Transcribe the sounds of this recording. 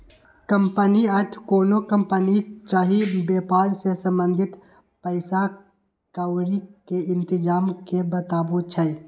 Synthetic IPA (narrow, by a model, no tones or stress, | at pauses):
kəmpəniəʈʰkoːnokəmpənit͡ʃaːɦibjepaːɾsesə̃mbə̃nd̪ʱɪt̪ | pəɪsa | kawɾikeɪnt̪ɪd͡ʒaːmkebət̪aːbut͡ʃʰə